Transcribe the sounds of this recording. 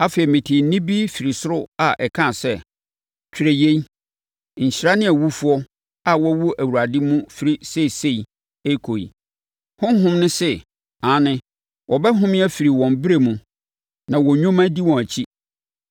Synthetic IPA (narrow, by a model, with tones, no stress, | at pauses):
a˦fe˨i˨mɪ̃˨tʰi˨˦nɪ̃˦bi˦fi˨ɾi˨sʊ˦ɾʊ˦a˨ʔɛ˨kʰã˦˨sɛ˦ | t͡ɕʰᶣɾe˨je˦i˦˨ | ɲ̩˨ɕɪ˦ɾa˦nɪ̃˦æ˨wu˦fu˦ɔ˦ | a˨wɔ˦wu˦ʔæ˨wu˨ɾa˨dɪ˦mũ˦fi˦ɾi˦se˦˨se˦˨i˨ | e˦kʰo˨ḭ˨ | hʊ̃˦n˦ɦʊ̃˦mnʊ̃˦sɛ˦ | ã˨˦nɪ̃˦ | wɔ˨bɛ˦ɦʊ̃˦mɪ̃˦æ˦fi˨ɾi˨wɔ̃˨mbɪ˦ɾe˨mũ˨ | nã˨wɔ˨ɲᶣʊ̃˦mã˦di˦wɔ̃˨æ˨t͡ɕʰi˦